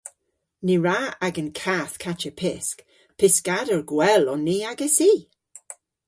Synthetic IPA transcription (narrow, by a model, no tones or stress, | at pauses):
niɹaaɡənkʰaθkʰat͡ʃəpʰɪsk | pʰɪskadəɹɡwɛlɔnːiːaɡəsiː